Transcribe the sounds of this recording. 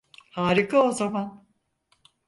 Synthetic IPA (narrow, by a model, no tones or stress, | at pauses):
haːɾikʰao̞zaman